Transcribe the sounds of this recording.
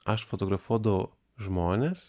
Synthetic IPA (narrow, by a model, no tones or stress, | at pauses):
ɐʃfot̪oɡɾɐfuɔd̪ɐʋʊ | ʒmoːnʲeːs